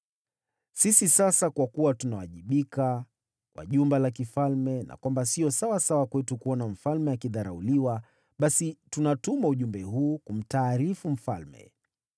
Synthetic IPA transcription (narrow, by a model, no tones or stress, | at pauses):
sisisasakwakuwatunawa̰ʄiɓika | kwa̰ʄumbɛlak̬ifalmɛna̰kwambasiɔsawasawakwɛtukuɔnam̩falmɛjakiðaɾauliwa | ɓasitunatumauʄumbɛɦuːkum̩taːɾifum̩falmɛ̰